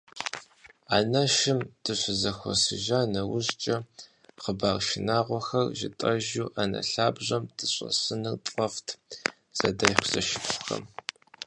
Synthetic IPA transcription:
a̰ːnɐʃɪmd̥ɨɕʷɪzɐxʷɔ̰sɨʒaːnɐwʊɕt͡ʃʼɐ | qəbaːrʃɪnaːʁʷɔxɐrʒɪ̰tʼɐʒuːʔanɐ̰ɬaːbʑʷɐmd̥ɨɕʼɐ̰sɨnɨrtʼɐftʰ | z̥ɐdɐχʷz̥ɐʃɪpɕxɐ̰m

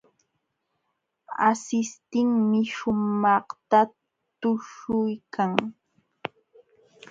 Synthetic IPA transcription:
asɪst̪ɪŋmɪʃʊmɑχt̪a | t̪ʊʃʊjkʰaŋ

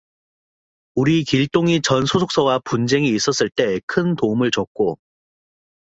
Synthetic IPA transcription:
uɾikiɭt͈oŋit͡ɕʌnsʰosʰok̚s͈ʌwapund͡ʑe̞ŋiːs͈ʌs͈ɯɭt͈e̞kʰɯntoumɯɭt͡ɕʌk̚k͈o

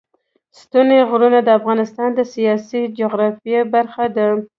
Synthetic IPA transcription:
st̪uneɣɾunad̪əafɣɑnɪst̪ɑnd̪əsijɑsid͡ʒoɣɾɑfjebaɾxad̪ə

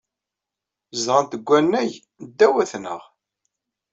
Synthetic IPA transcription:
zʁənt̪əɡʷːænːæʝ | d̪ːæwæθnə̰ʁ

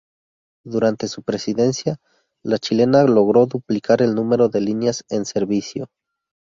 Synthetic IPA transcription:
d̪uɾant̪e̞supɾe̞siðe̞nsja | lat͡ʃile̞nalo̞ɣ̞ɾo̞ðuplikaɾe̞lnũme̞ɾo̞ðe̞linjase̞nse̞ɾβisjo̞

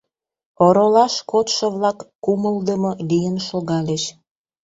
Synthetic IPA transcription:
oɾolɑʃkot̪ʃə̆βlɑkːuməld̪əmolijənʃoɣɑlʲeʃ

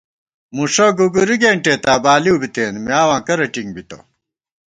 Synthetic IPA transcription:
muʂoɡuɡuɾiɡeːɳʈeːt̪aːbaːliwbit̪eːnmiaːwãːkɐɾɐʈiŋbit̪o̰

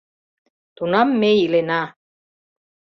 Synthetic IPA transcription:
t̪unɑmːeilenɑ

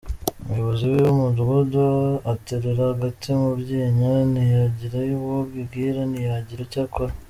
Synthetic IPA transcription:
umujo̞βoziwejumuduɡudoateɾeɾahaɡatimubɟeːɲanijaɟiɾajuβbɡibɡiɾanijaɟiɾacakʰoɾa

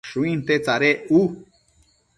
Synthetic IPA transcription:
ʃuĩnt̪et͡saɾeu

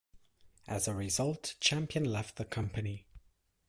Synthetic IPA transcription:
ʔəzəɹɪzʌlˠʔt͡ʃʰãmpiə̃nlɛf̚ðəkʰʌ̃mpəni

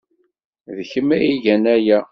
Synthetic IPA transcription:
ðçəmæiʝænæjæ

